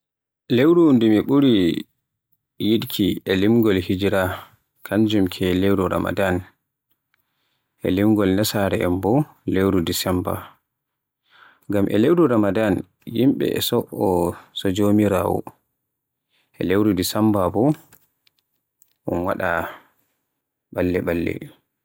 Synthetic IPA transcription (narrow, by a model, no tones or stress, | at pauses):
lewɾundumiɓuɾi | jiɗkʰiɛlimɡɔlhid͡ʒɾa | kʰaɲd͡ʒumkʰɛlewɾuɾa̰ma̰dan | ʔɛ̰limɡɔlnasaɾɛʔɛmbɔ | lewɾudisɛmba̰ | ɡamʔɛ̰lewduɾamadan | jimɓɛ̰ɛ̰sɔʔɔsɔd͡ʒomiɾa̰ːwɔ̰ | ʔɛ̰lewɾudisambabɔ | ʔṵnwa̰ɗa | ɓalːɛɓalːɛ̰